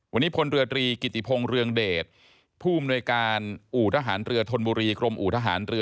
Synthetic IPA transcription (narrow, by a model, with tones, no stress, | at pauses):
wʔa˧nːiː˦˥pʰo˧nɾɯ˧ɐt̪ɾiː˧ki˨˩t̪ːi˨˩pʰo˧ŋɾɯ˧əŋdeː˨˩t̪̚ | pʰuː˥˩a˧mnu˧əjkaː˧nʔuː˨˩t̪ʰaː˧ɦaː˩˦nɾɯ˧ɐt̪ʰo˧nbuː˧ɾiː˧kɾo˧mʔuː˨˩t̪ʰa˧ɦaː˩˦nɾɯ˧